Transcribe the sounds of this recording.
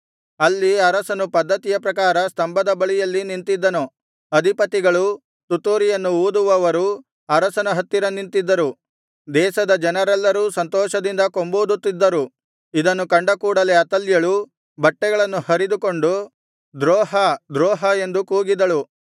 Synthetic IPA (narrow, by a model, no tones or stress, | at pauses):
ɐlːiɐɾɐsɐnupɐd̪ːɐt̪ijɐpɾɐkaːɾɐst̪ɐmbɐd̪ɐbɐɭijɐlːinint̪id̪ːɐnu | ɐd̪ʱipɐt̪iɡɐɭu | t̪ut̪ːoːɾijɐnːuuːd̪uʋɐʋɐɾu | ɐɾɐsɐnɐɦɐt̪ːiɾɐnint̪id̪ːɐɾu | d̪ɛːʃɐd̪ɐd͡ʒɐnɐɾɛlːɐɾuːsɐnt̪ɔːʃɐd̪ind̪ɐko̞mboːd̪ut̪ːid̪ːɐɾu | id̪ɐnːukɐɳɖɐkuːɽɐleɐt̪ɐljɐɭu | bɐʈːɛɡɐɭɐnːuhɐɾid̪uko̞ɳɖu | d̪ɾɔːɦɐd̪ɾɔːɦɐe̞nd̪ukuːɡid̪ɐɭu